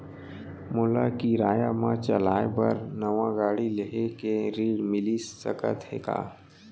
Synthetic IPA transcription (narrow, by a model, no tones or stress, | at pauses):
mʊlakiɾaːjamãt͡ʃɐlaːepɐɾnɐʋãɡaːɽileɦekeɾiːɽmɪlisːɐ̰kə̰t̪ɦḛka̰ː